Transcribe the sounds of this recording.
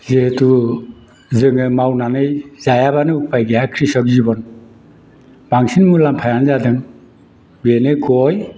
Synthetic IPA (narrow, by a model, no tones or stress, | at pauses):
zetu | zɯŋɯmawnanɯjzajabanɯupajɡeakʰɾisɔkzibɔn | baŋsinmulampʰajanzadɯŋ | benɯkʰɔj